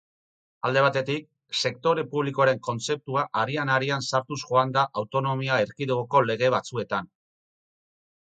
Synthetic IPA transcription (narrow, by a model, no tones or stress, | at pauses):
ald̪e̞β̞at̪e̞t̪ik̚ | se̞k̚t̪o̞ɾe̞puβliko̞aɾe̞ŋko̞nt͡se̞p̚t̪uaʔaɾianaɾiansaɾt̪usʝo̞and̪aʔawt̪o̞no̞miaeɾkiðuɣoko̞le̞ɣ̞e̞β̞at͡sue̞t̪an